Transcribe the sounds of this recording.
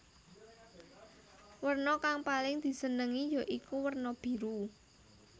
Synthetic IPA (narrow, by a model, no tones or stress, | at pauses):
wərnɔkaŋpalɪŋd̪̥i̤sənəŋijɔʔikuwərnɔb̥i̤ɾu